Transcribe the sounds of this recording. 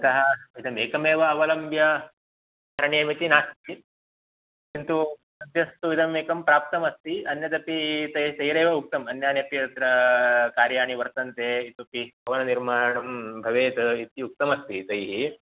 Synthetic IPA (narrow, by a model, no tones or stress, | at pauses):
t̪ɐɦɐit̪ʰɐmeːkɐmeːʋɐːʋɐlɐmbʱjɐ | ɐɾɳijemit̪inaːst̪i | kint̪u | ɐt̪jɐst̪uit̪ʰɐmeːkɐmpɾaːp̚t̪ɐmɐst̪iɐnjɐt̪ɐpit̪ɐjiɦit̪ɐjɾeːʋɐuk̚t̪ɐmɐnjaːnjɐpjt̪ɾɐkaːɾjaːɽ̃iʋɐɾt̪ɐnt̪eːit̪upibʱɐʋɐnɐniɾmaːɳɐmbʱɐʋeːt̪ɐit̪iuk̚t̪ɐmɐst̪it̪ɐɦi